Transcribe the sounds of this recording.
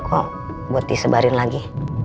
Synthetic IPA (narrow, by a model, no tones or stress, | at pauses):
kʰɔ | buat̪̚disəbaɾɪnlaɡi